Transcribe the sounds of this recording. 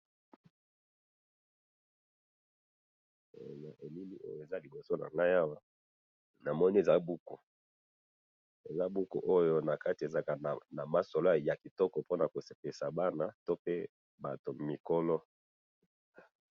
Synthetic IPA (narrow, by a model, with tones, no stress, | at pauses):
na˨ʔe˨mi˦mi˦ʔo̰˦jo˨e˨za˦li˨bo˨so˦na̰˨ŋɡa˦ja˦wa˦ | na˨mɔ˦ni˦e˨za˦bu˦ko˨ | e˨za˦bu˦ko̰˨ʔo˦jo˦na˨ka˦ti˨e˨za˦ka˨n˨na˨ma˨so˨lo˦a˨ja˨ki˨tɔ˦kɔ˨po˦na˨ko˨se̥˨pe˨sa˨ba˦na˦to˦pe˦ | ba˨to˨mi˨ko˦lɔ˦